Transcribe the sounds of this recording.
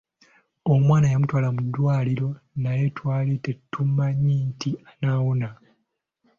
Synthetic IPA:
omwaːnajamutwaːlamudːwaːliɾo̞naje̞twaːlitetʰːumːaɲiːtianaːwona

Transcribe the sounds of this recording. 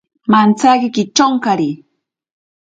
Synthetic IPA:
mant͡sakɪkɪt͡ʃoŋkaɾi

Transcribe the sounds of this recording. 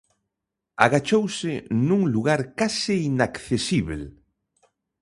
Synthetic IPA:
a̰ɣat͡ʃowsɪnuŋluɣaɾkasɪinakθesiβel

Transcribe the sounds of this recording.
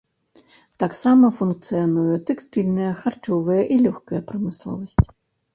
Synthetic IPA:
t̪aksɑmɐfunk̚t̪sɨjɐnujɛt̪ɛkst̪ɪlʲnɛjɐxart͡ʃɔʋɪjɛʔilʲuxkɐjɛpɾɐmɪslˠɔ̰ʋɐsʲtʲ

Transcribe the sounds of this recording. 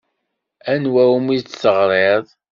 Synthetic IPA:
ænwæwmit͡sːsəʁɾˤeðˤ

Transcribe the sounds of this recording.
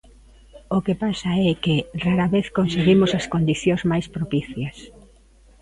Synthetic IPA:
okepasɐɛkeraɾɐβeθkonseɣimʊsɐskond̪iθjozmajspɾopiθjɐs

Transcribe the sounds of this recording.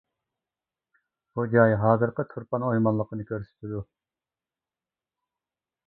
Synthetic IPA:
b̥ud͡ʒɑjɦɑːzɨɾqət̪ʰuɾpɑnojmɑnlˠəqənɨkʲʰøɾsɪ̥t̪ʰɪd̪u

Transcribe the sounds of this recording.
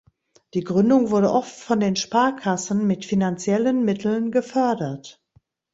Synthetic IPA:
d̥iːɡʁʏndʊŋvʊɐdəʔɔftfɔndeːnʃpaɐkʰasn̩mɪtfinant͡sjɛlənmɪtʰl̩nɡəfœɐdɐt

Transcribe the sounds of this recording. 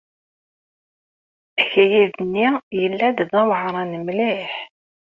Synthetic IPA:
æçæjiðənːijəlːæd̪ðæwʕɾˤɑnəmliħ

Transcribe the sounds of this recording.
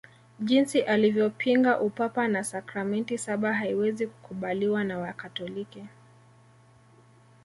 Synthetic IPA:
ʄinsiʔalivjɔpʰiŋɡaʔupapanasakɾamɛntisaɓaɦaiwɛziku̥kuɓaliwanawakatɔliki

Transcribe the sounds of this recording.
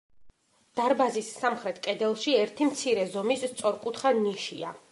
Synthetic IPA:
d̪̥aɾbazisːamχɾɛt̪ʰkʼɛd̪ɛlˠʃiɛɾt̪ʰimt̪sʰiɾɛzɔmist̪sʼɔɾkʼut̪ʰχaniʃia

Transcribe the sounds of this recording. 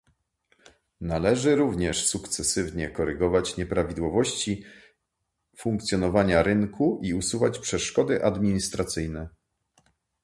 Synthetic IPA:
nalɛʐɘɾuvɲɛʂsukt̪sɛsɘvɲɛkɔɾɛɡɔvat͡ɕɲɛpɾavʲid̪wɔvɔɕt͡ɕi | fuŋk̚t̪sʲjɔnɔvaɲaɾɘŋkʰuʔiusuvat͡ɕpʂɛʂkɔd̪ɘʔad̪mʲiɲist̪ɾat̪sɘjnɛ

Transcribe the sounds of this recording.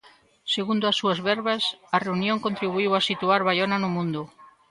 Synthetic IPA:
seɣund̪ʊasːuazβɛɾβasɐreunjõŋkont̪ɾiβ̞uiwasit̪uaɾβajonanʊmũnd̪ʊ

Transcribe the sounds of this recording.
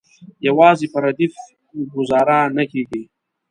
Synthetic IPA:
jawɑːzipɐɾad̪if | ɡʊzɑːɾanakeɡi

